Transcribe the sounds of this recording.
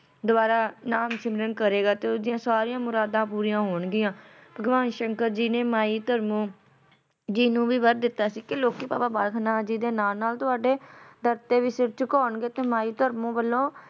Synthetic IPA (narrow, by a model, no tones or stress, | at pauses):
d̪ʊaːɾaːnaːmsɪmɾənkəɾeːɡaːt̪eod͡ʒɪjãːsaːɾiːãːmʊɾaːd̪ãːpuːɾijãːɦoːɳɡɪjãːbəɡʋaːnʃəŋkəɾd͡ʒiːnẽːmaːiːt̪əɾmõː | d͡ʒiːnũːʋiːʋəɾd̪ɪt̪ːaːsiːkɪloːkiːpa̰ːpaːbaːlkʰnãːd͡ʒiːd̪eːnaːlnaːlt̪ʊaːɖeːd̪əɾt̪eːʋiːsɪɾt͡ʃəkaːɳɡeːt̪eːmaːiːt̪əɾmõːbəlːõː